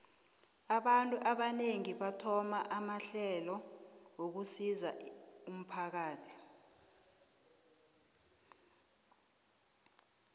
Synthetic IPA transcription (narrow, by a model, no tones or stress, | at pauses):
aɓantʼuʔaɓaneŋiɓatʰɔmaʔamaɬɛlɔŋok̬usizaum̩pʰak̬aːtʰi̥